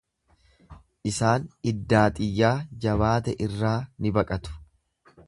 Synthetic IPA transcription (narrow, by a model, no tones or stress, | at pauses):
ʔɪsaːnɪd̪ːaːt̪ʼɪjːaːd͡ʒɐβaːt̪ɛʔɪrːaːnɪbɐkʼɐt̪ʊ̥